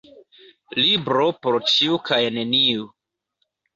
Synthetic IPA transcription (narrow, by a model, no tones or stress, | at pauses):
libɾopoɾt͡ʃiukʰajne̞niu